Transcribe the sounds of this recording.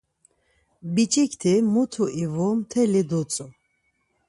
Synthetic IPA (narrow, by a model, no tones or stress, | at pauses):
bit͡ʃʼikʰt̪ʰimut̪ʰuʔivɔmt̪ʰɛlid̪ut͡sʼu